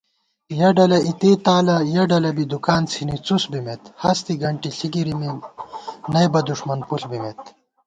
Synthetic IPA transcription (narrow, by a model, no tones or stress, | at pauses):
jɐɖɐlɐit̪eːt̪aːlɐjɐɖɐlɐbid̪ukaːnt͡sʰinit͡susbimet̪hɐst̪iɡɐɳʈiɬiɡiɾimi | nɐjbɐd̪uʂmɐnpuɬbimet̪